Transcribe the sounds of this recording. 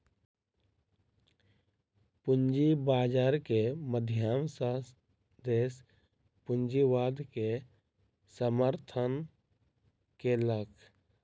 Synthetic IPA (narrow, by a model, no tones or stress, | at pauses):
pʊnd͡ʒibaːd͡ʒaːɾkeməd̪ʱjaːmsə | d̪eːs | pʊɲd͡ʒiʋaːd̪ke | səməɾt̪ʰən | keləkʰ